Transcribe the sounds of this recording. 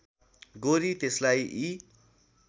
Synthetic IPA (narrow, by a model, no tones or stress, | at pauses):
ɡoɾit̪eslajʔi